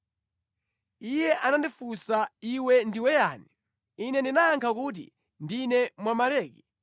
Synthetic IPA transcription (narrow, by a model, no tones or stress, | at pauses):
ijɛʔanandifusaiwɛndiwɛjaːni | inɛndinaːŋkʰak̬ut̬ḭ | ndinɛmwamalɛːki